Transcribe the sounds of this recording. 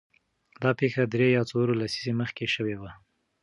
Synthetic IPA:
d̪ɑpexad̪ɾejɑt͡soɾolasizeməxkeʃəwewa

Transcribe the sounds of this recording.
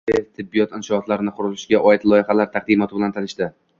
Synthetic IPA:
ɪt̪ʰɪbːijɒt̪ɪnʃɒɒt̪laɾɪnɪqʰʊɾʊlɪʃɡʲaʔɒjɪt̪lˠɒjɪhalaɾt̪ʰaq̚d̪imɒt̪ʰɪbɪlant̪ʰanɪʃt̪ɪ

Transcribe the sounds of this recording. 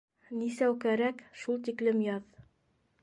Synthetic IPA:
nisæwkæɾækʃulˠt̪iklɘmjɑð

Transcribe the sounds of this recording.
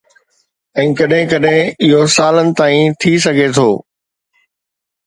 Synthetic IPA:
ɛ̃ːkɐɗɦɪ̃kɐɗɦɪ̃ɪɦosaːlənɪ̆t̪aːĩt̪ʰis̬ɐɡʱet̪ʰoː

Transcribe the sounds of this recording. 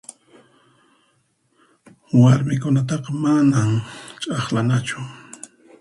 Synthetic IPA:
waɾmɪkʊnat̪̬ɑqɑmanamt͡ʃʼɑχlanat͡ʃʊ

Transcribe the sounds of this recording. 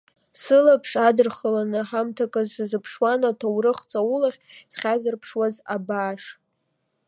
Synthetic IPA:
sɨlapʰʂadɨrχalanɨħamtʰakʼazzɨpʰʂwanatʰawrɨχt͡sʼawulaχʲsχʲazɨrpʰʂwazabaːʂ

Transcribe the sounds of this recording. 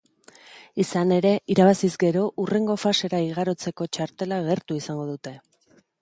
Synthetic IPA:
isane̞ɾe̞ʔiɾaβasizɡe̞ɾo̞ʔure̞ŋɡo̞fase̞ɾaiɣ̞aɾo̞t͡se̞ko̞t͡ʃaɾt̪e̞laɣ̞e̞ɾt̪uisaŋɡo̞ðut̪e̞

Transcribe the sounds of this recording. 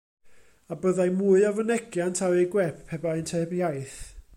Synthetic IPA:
abəðajmuːɨavənɛkʰjantʰawejɡwɛpʰːɛbaɛntʰɛbjajθ

